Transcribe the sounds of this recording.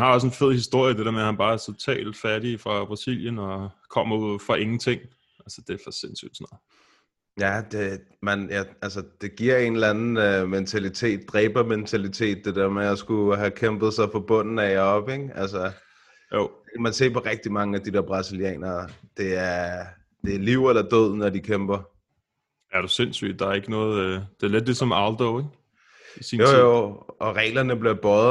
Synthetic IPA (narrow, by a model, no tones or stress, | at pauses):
hænhɑ̈ɒ̽s̬e̝nfe̝ð̞̰ˠhisd̥o̝ɐ̰jəd̥e̝ɾeɐmeæhænb̥ɑ̈ːæɐt͡sʰo̝t͡sʰɛ̰ːld̥fæɐɾ̥ifʁɑ̈b̥ʁɑ̈siljənɒkʰɒ̽m̰ɐuð̰ˠfʁɑ̈ʔe̝ŋn̩t͡sʰe̝ŋ̰ | ʔælsə̥d̥e̝æfɒse̝nsy̰d̥snɒð̩ˠ | jæd̥e̝ | mænjæælsəd̥e̝ɡ̥iɐ̰e̝nlænn̩øment͡sʰælit͡sʰe̝̰ːd̥̚ːʁɛːb̥ɐment͡sʰælit͡sʰe̝̰ːd̥̚ːe̝d̥eɐmeɒsɡ̥uɦækʰemb̥ð̞̩ˠsɑ̈ɪfɒb̥ɔ̽n̰n̩æɪɐɒ̽b̥eɡ̥ælsɐ | ekʰæmænse̝̰ːpʰɒ̽ʁɛɡ̥̚d̥imɑ̈ŋəæd̥id̥eɐb̥ʁɑ̈siljɛ̰ːnɐːd̥e̝æɐɐ | d̥e̝liʊ̰elɐd̥øð̰ˠnɒd̥ikʰemb̥ɐ | æɐɾ̥usensy̰ːd̥̚ɑ̈æɐe̝ɡ̥ənɔːð̩ˠd̥e̝ɐled̥̚ːe̝sɒ̽mɑ̈ʊld̥ɔʊeɡ̥ | isḭjo̰jo̰ʔɒ̽ʁɛ̰ːlɐnəb̥liɐb̥ɒð